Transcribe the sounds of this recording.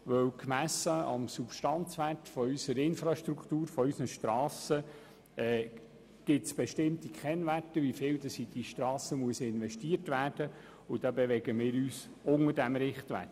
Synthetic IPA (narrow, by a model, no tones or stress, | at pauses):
ʋœwkmæsːəɑ̰msupʃtɑnt͡sʋærtfɔysəɾɪnfɾɑʃtɾuktuːɾfɔysnəʃtɾɑːsə | ɛː | ɡ̥ɪtsb̥ɛʃtɪmtikχɛnvætəʋifɪːldɑsid̥iʃtɾɑːsəmuəsɪnʋɛʃtiəɾtvæːrd̥ə | ʊd̥ɑbɛʋɛɡəmɪːɾyːs | ʊŋədæmɾɪχt̪ʋæ̰t